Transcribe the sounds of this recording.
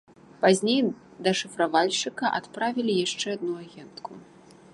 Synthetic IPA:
pazʲnʲej | d̪ɐʂɨfɾavalʲʂɨkɐʔa̰t̪pɾavʲilʲijaʂt͡ʂɛad̪nuaɣʲɛnt̪ku

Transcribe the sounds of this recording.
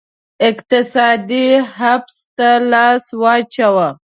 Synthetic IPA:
ɪkt̪ɪsɑd̪ihafst̪alɑswɑt͡ʃawa

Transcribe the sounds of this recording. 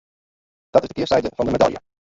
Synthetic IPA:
d̥ɑtɪzd̥əkɪːɹsɛjdənvɑndəmɛdɑ̰ljə̰

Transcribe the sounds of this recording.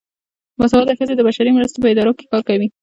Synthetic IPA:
waswɑd̪əxəzed̪əbaʃaɾimɾast̪opəɪd̪ɑɾoke̥kɑɾkawi

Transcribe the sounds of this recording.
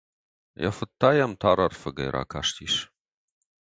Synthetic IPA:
ja̰fɨt̪ʰːaːjamt̪ʰaːɾɐrfɐɡɐ̰jɾʔa̰ːkʰaːʂt̪ʰiːʂ

